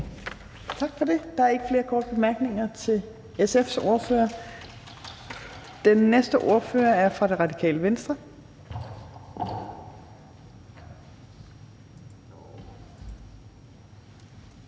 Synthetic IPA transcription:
t͡sʰɑ̈ɡ̥fɒ̽de̝d̥ɑ̈æɐe̝ɡ̥əfle̝ːɐkʰɒ̰ːd̥əb̥e̝mæɐɡ̥ne̝ŋɐt͡sʰe̝l | esefso̝ɐfø̰ːɐ | d̥enːesd̥əʔo̝ɐfø̰ːɐæɐfʁɑ̈ɾ̥e̝ʁɑ̈dikʰɛ̰ːləʋensd̥ʁɐ

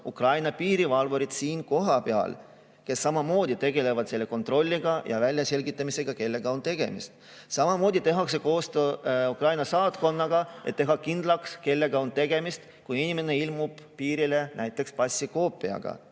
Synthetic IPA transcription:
ukrɑjnɑpiːɾivɑlvoɾit̪siːnko̞ɦɑpeɑ̰l | ke̞sːɑmɑmo̞ːd̪it̪e̞ɡ̥e̞le̞vɑd̪se̞lːe̞ko̞nt̪ro̞lʲːiɡ̥ɑjɑ̰vælʲjɑse̞lʲɡit̪ːˑɑmise̞ɡ̥ɑke̞lːe̞ɡ̥ɑo̞nt̪e̞ɡ̥e̞̰mḭst̪ | sɑmɑmo̞ːd̪it̪e̞ɦɑkse̞koːst̪øukrɑjnɑsɑːt̪ko̞nːɑɡ̥ɑʔe̞t̪ːe̞ɦɑkind̪̥lɑkske̞lːe̞ɡ̥ɑo̞nt̪e̞ɡ̥e̞mist̪ | kujinʲime̞ne̞ilmub̥piːɾile̞næjt̪ːˑe̞kspɑsʲːiko̞ːpːˑiɑ̰ɡ̥ɑ̰

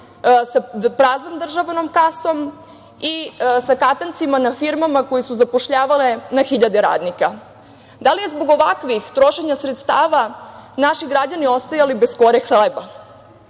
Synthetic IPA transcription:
sapɾaːzomd̪r̩ʒaʋano̞mkaso̞m | isakat̪ant̪simanafiɾmamako̞jesuzapo̞ʃʎaːʋalenaxiʎad̪eɾa̰ːd̪nika | d̪alije̞zbo̞ɡo̞ʋakʋixt̪ɾo̞ʃe̞ɲasɾet̪st̪aːʋanaʃiɡɾad͡ʑanio̞st̪ajalibesko̞ɾexleba

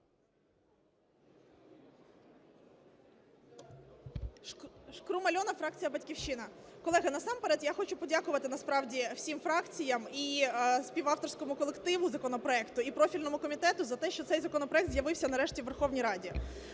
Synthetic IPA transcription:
ʃkɾʊmɐlʲɔnɐfɾɑk̚t͡sʲijɐbɐtʲkʲiwʃɪnɐkɔlˠɛɦɐnɐsɑmpeɾɛt̪jaxɔt͡ʃʊpɔdʲakʊʋɐt̪ɪnɐspɾɑwdʲiw̥sʲimfɾɑkt͡sʲijɐmisʲpʲiʋɑft̪ɔrsʲkɔmʊkɔlˠekt̪ɪʋʊzɐkɔnɔpɾɔɛkt̪ʊipɾɔfʲilʲnɔmʊkɔmʲit̪ɛt̪ʊzɐt̪ɛʃt͡ʃɔt̪sɛjzɐkɔnɔpɾɔɛk̚t̪zʲjɐʋɪwsʲɐnɐɾɛʃtʲiʋerxɔʋnʲijɾɑdʲi

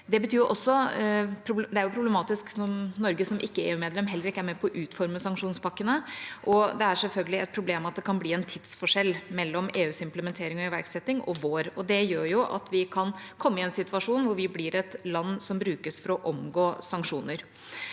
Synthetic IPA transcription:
d̪ɛbət̪ʰyːɾʔɔsːɔpʰɾʊbd̪ɛæɾjʊpʰɾʊblɛmɑːt̪ɪsknɔɾnɔɾɡəsɔmʔɪkːəḛːʉːmeːd̪lɛmɦɛlːəɾɪkːæɾmɛpʰɔʔʉːt̪fɔɾməsɑŋkʂuːnspʰɑkːənəʔɔd̪ɛæʂɛlfœlɡəlɪɛ̰t̪̚pʰɾʊbleːmɑt̪̚d̪ɛkʰɑnbliːɛnt̪ʰɪd̪sfɔʂɛlːmɛlːɔmeːʉːsɪmpləmɛnt̪ʰeːɾɪŋɔɪʋæɾksɛt̪ːɪŋɔʋoːɾɔd̪ɛjøːɾjʊʔɑ̰t̪ʰʋɪkʰɑnkʰɔmːəɪɛnsɪt̪ʋɑʂuːnʋʊɾʋɪblɪɾɛt̪lɑnːsɔmbɾʉːkəsfɔɾɔʔɔmɡoːsɑŋkʂuːnəɾ

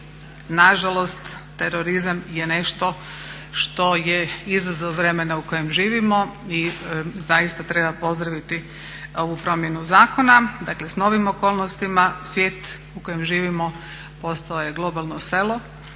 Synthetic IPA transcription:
naʒalˠo̞st̪ː | eɾoɾizamjene̞ʃt̪o̞ʃt̪o̞jeizazoʋɾe̞menauko̞jemʒiːʋimoizajist̪at̪ɾe̞bapo̞zd̪ɾaʋit̪i | o̞ʋupɾo̞mje̞nuzaːkonad̪akle̞sno̞ʋimo̞koːlˠnost̪imasʋjeːt̪ | ukojemʒiːʋimo̞ | po̞st̪alojeɡlˠo̞balˠnoselo̞

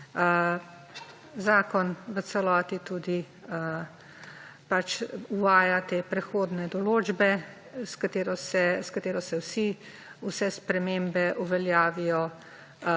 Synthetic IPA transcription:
zaːkɔnʋət̪sɛlɔːt̪it̪uːd̪i | ə | pat͡ʃuʋaːjat̪eːpɾɛxoːd̪nɛd̪ɔloːd͡ʒbɛ | skat̪eːɾɔsɛskat̪eːɾɔsɛwsi | usɛspɾɛmembɛʔuʋɛljaːʋijɔ

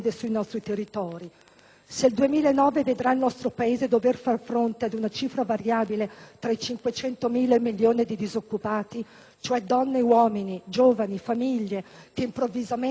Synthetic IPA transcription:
d̪esuinɔst̪ɾit̪erːit̪ɔːɾi | seld̪uemiːlaenːɔːveved̪ɾailnɔst̪ɾopaeːzed̪overfarfɾont̪ead̪unat͡ʃiːfɾavaɾjaːbilet̪ɾait͡ʃiŋkwet͡ʃɛnt̪omiːlaemiljoːnid̪id̪izokːupaːt̪i | t͡ʃoɛd̪ɔnːewɔːminid͡ʒoːvanifamiʎːekeimpɾovːizame

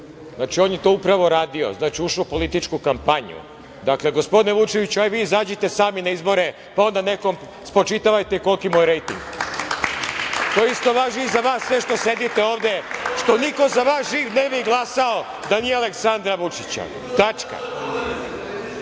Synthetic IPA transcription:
znaːt͡ʃio̞njet̪o̞ːupɾaʋo̞ɾaːd̪io̰znaːt͡ʃiuʃopo̞lit̪it͡ʃkukampaɲṵ | d̪akle̞ɡospo̞d̪ineʋut͡ʃe̞ʋit͡ɕuaiʋiːizaːd͡ʑet̪e̞saːminaizbo̞ɾe̞ | pao̞nd̪aneko̞m | spɾo̞t͡ʃit̪aʋajt̪eiko̞lˠkimojɾejt̪ḭŋɡ | t̪ojeist̪o̞ʋaːʒiizaʋaːsːʋe̞ʃt̪o̞se̞d̪it̪e̞o̞ːʋd̪e̞ʃt̪o̞niko̞zaʋaːsʒiːʋnebiɡlˠasao̞ | d̪anijeale̞ksand̪ɾaʋut͡ʂit͡ɕa̰ | t̪at͡ʃka̰

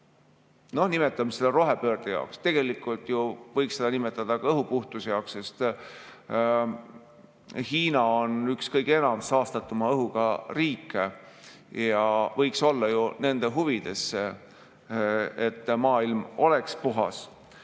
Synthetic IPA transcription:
no̞hnime̞t̪ːˑɑmseleɾo̞ɦe̞pø̞ːrd̪̥ejɑ̰okst̪e̞ɡ̥e̞likːˑult̪juvɤjksed̥̪ɑnimet̪ˑːɑd̪̥ɑkɑɤɦupuht̪usejɑokse̞st̪ | hiːnɑonykskɤjɡ̥ee̞nɑmsɑːst̪ɑt̪ːˑumɑɤɦuɡ̥ɑriːkːˑe | jɑvɤjkso̞lːɑjune̞nd̪̥eɦuvid̪̥e̞sːe | et̪ːˑmɑːilmo̞lekspuɦɑ̰s

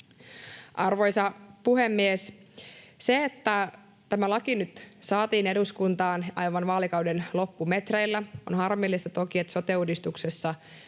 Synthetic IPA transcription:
ʔɑrʋo̞jsɑpuhe̞mːies | se̞ːt̪ːæ | t̪æmælɑkinyt̪sɑːt̪iːne̞duskunt̪ɑːnʔɑ̰jʋɑnʋɑːlikɑwdenlo̞pːume̞t̪rejlːæo̞̰nhɑrmilːist̪ɑt̪o̞kiet̪so̞t̪e̞udist̪uksesːɑ

